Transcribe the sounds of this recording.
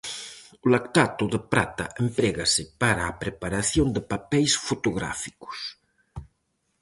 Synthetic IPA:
ʊlakt̪at̪ʊðəpɾa̰t̪a̰ʔempɾeɣasɪpaɾaːpɾepaɾaθjond̪əpapɛjsfot̪oɣɾa̰fi̥kʊ̥s

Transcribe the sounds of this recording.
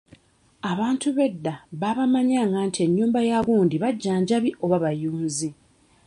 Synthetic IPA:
aβaːntuβe̞dːaβaβamaɲaŋɡantie̞ɲːuːmbajaɣuːndiβaɟːaːɲɟaβiʔoβaβajuːnzi

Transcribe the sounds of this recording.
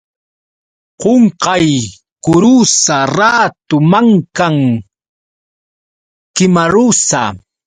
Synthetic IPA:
qoɴqɑj | kʊɾusaɾaːt̪ʊmaŋkaŋ | kɪmaɾusa̰

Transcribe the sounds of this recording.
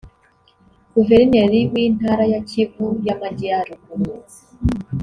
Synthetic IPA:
ɡ̥uvɛɾinɛɾiwintaɾajat͡ʃivujamad͡ʒiaɾuku

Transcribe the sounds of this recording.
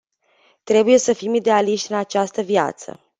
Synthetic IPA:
t̪ɾe̞buje̞səfimid̪e̞aliʃt̪ʲɨnat͡ʃast̪əvija̰t̪sə̰

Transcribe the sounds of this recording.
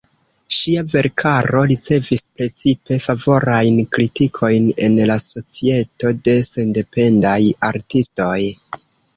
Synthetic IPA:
ʃiave̞ɾkʰaɾo̞ɾit͡se̞vispɾe̞t͡sipe̞favo̞ɾajnkɾitikʰo̞jne̞̰nlaso̞t͡sie̞to̞de̞se̞nde̞pe̞ndajaɾtisto̞j

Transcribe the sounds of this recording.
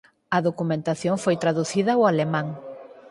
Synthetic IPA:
ɐðokumẽnt̪aθjoŋfojt̪ɾaðuθiðɐwalemãŋ

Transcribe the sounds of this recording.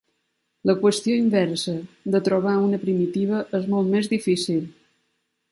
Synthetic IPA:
ləkwəst̪ioimbɛɾsəd̪ət̪ɾoβ̞aunəpɾimit̪iβəʔəzmolˠt̪mezðifisilˠ

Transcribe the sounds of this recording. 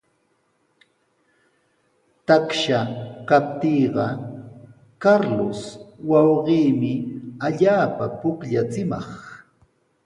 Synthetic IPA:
t̪akʃakap̚t̪iːɢɑ | kaɾlʊswɑwɢiːmɪaʎaːpapʊkʎat͡sɪmɑχ

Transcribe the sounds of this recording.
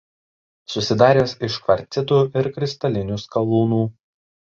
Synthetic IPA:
sʊsʲɪd̪ɑːɾʲeːsɪʃkʋɐɾʲt̪sʲɪt̪uːɪɾkɾʲɪst̪ɐlʲɪnʲuskɐlˠuːnuː

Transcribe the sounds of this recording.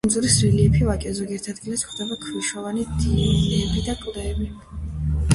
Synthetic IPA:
nzuɾisɾiliɛpʰivakʼɛzɔɡiɛɾt̪ʰad̪ɡilɛsχd̪ɛbakʰviʃɔvanid̪iɛbid̪akʼlɛːbi

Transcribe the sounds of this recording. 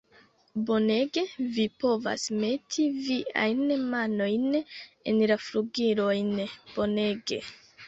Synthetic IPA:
bo̞ne̞ɡe̞vipo̞va̰sme̞tʰiviʔa̰jnmano̞jnenlafɾuɡiɾo̞jnb̥o̞ne̞ɡe̞̰

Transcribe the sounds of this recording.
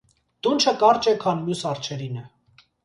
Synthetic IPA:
d̪̥unt͡ʃʰəkɑɾt͡ʃɛkʰɑnmjusɑɾt͡ʃʰɛɾinɛ

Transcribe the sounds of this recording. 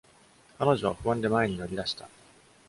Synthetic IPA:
kano̞ʑo̞βaɸɯ̟βãnd̪e̞mae̞ɲ̟ino̞ɾʲid̪aɕi̥t̪a

